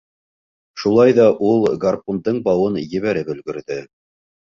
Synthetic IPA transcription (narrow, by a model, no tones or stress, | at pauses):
ʃulˠɑjðɑʔulˠɡarpond̪ɤɴbɑwɤnjɘ̆βæɾɘpɵ̆lɡɵ̆ɾðɘ